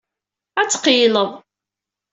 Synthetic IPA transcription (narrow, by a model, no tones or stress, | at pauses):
æt͡sːqiləðˤ